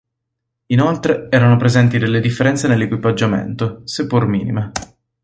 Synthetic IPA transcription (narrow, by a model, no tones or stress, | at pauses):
inolt̪ɾeɛːɾanopɾezɛnt̪id̪elːed̪ifːeɾɛnt̪senelːekwipad͡ʒːamḛnt̪osepːurmḭːnime